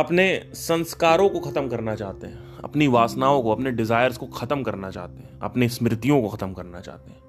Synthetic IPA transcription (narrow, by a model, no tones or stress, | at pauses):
ɐpnesɐ̃nskaːɾõkoxʰɐt̪əmkɐɾnat͡ʃaːɦt̪eɦɛ̃ | ɐ̰pniʋaːsnaːõkoɐpneɖɪzaːjəɾzkoxʰɐt̪əmkɐɾnat͡ʃa̰ːt̪eɦɛ̃ɐ̰pnesmɪɾɪt̪ijõkoxɐt̪əmkɐɾnat͡ʃa̰ːɦt̪eɦɛ̃ː